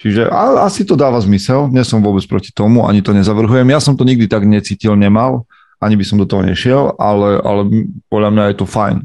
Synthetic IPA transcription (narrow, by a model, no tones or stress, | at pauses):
t͡ʃiʒɛʔaasit̪ɔd̪aːʋazmisɛlɲɛsɔmʋʊɔbɛt͡spɾɔci̥t̪ɔmua̰ɲit̪ɔɲɛzaʋr̩ɦujɛmjasɔmt̪ɔɲiɡ̚d̪it̪aɡɲɛt͡siːcilɲɛmal | ʔaɲibisɔmd̪ɔt̪ɔɦɔ̰ɲɛ̰ʃɪɛlʔa̰lɛʔa̰lɛpɔd̪ʎamɲajɛt̪ɔfajn